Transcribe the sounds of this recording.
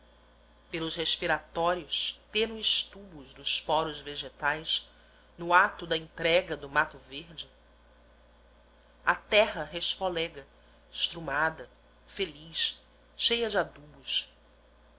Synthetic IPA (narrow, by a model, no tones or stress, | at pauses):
pelʊsheʃpiɾat̪ɔɾiʊst̪ẽnʊɪʃt̪ubʊzd̪ʊspɔɾʊzveʒet̪ajs | nʊat̪ʊd̪ɐẽnt̪ɾɛɡɐd̪ʊmat̪ʊveɾd͡ʒɪ | ɐt̪ɛɦɐɦeʃfolɛɡɐ | ɪʃt̪ɾumad̪ɐ | feliʃ | ʃejɐd͡ʒɪad̪ubʊs